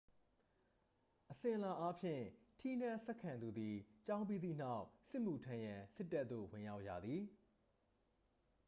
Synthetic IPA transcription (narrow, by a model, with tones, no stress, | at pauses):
ʔəsɪ̃˨ʔəla˨ʔa˦pʰjɪ̰̃˦˨tʰi˦˨n̥ɛ̃˦˨sɛ˦ʔkʰːã˨nd̪u˨d̪i˨t͡ɕã˦ʊ̃mpi˦d̪ðḭ˦˨n̥a˦ʊsɪ˦ʔmu˨tʰã˦jã˨sɪ˦tːa˦t̪̚ːo̰˦˨wɪ̃˨ja˦ʊʔja̰˦˨d̪ði˨